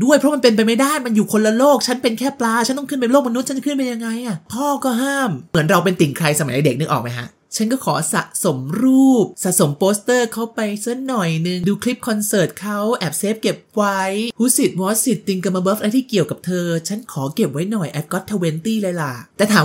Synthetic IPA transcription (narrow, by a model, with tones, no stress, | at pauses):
du˥˩əjpʰɾɔ˦˥ma˧np̬e˧npa˧jma˥˩jdaː˥˩jma˧njuː˨˩kʰo˧nla˧loː˥˩k̚t͡ɕʰa˦˥npe˧nkʰɛː˥˩plaː˧˥t͡ɕʰa˦˥nt̪ɔ˥˩ŋkʰɯ˥˩np̬a˧jloː˥˩k̚ma˧nu˦˥t͡ɕʰa˦˥t͡ɕa˧kʰɯ˥˩np̬e˧ja˧ŋːa˧jʔa˨˩p̪ʰɔː˥˩kɔː˥˩ɦaː˥˩mmɯ˩˦ənɾa˧wpe˧nt̪i˨˩ŋkʰɾa˧jsa˧ma˨˦ʔa˧de˨˩k̚nɯ˦˥kʔɔː˨˩ma˦jkʰa̰˦˥ʔ | t͡ɕʰa˦˥nkɔː˥˩kʰɔː˩˦sa̰˨˩ʔso˨˩˦mɾuː˥˩p̚sa˨ʔso˨˩˦mpoː˦˥st̪ɤː˥˩kʰa˦˥˩wpa˧jse˦˥nːɔ˨˩jnɯ˧ŋduː˧kʰli˦˥p̚kʰɔ˧nsɤː˨˩t̪̚kʰa˦˥wʔɛ˨˩p̚seː˦˥p̚ke˨˩p̚wa˦˥jhʰuː˦˥si˨˩t̪̚wɔː˦˥si˨˩t̪ːi˧ŋka˧maː˧bɤː˦˥fʔa˧t̪ʰiː˥˩ki˨˩əwka˨˩p̚t̪ʰɤː˧t͡ɕʰa˦˥nkʰɔː˩˦ke˨˩p̚wa˦˥jnɔ˨˩jʔɛ˨˦˩t̪̚kɔ˦˥t̪ʰːa˧we˧nt̪iː˥˩la˧jla˨˩t̪ɛː˨˩t̪ʰaː˩˦